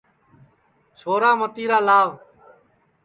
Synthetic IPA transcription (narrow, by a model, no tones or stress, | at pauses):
t͡ʃʰoːɾaːmət̪iːɾaːlaːʋ